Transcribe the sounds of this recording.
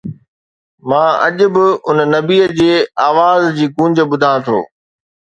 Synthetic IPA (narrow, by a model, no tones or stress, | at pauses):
mãːɐ̰ʄʊ̆bɪʊnnɐbiːəd͡ʑeːaːʋaːzd͡ʑiːkũːɲd͡ʑə̆bʊd̪ʱãːt̪ʰo̰ː